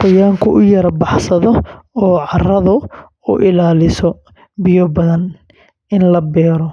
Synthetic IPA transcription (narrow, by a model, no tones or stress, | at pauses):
qʊjaːŋkʰʊʔʊjɐɾbɑħsɐðɔɔːʕɑrɐðʊ | ʊ̰ʔɪlaːlɪsɔ | bɪjɔbɐðɐn | ɪnlɐbɛːɾɔ